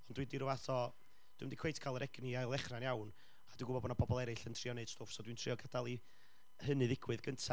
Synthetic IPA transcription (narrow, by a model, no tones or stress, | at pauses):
ɔnd̥widiɾʊvaθɔ | d̥wimədikʰwejtʰkʰalˠəɾʔɛɡniaɨlˠɛχranjawn | ad̥ɪɡʊbɔbɔnabɔbɔlˠɛɾɨɬəntʰriɔneɨd̥stʊfsɔdwintʰrɪɔɡadalˠi | hənɨðɪɡwɨðɡəntʰa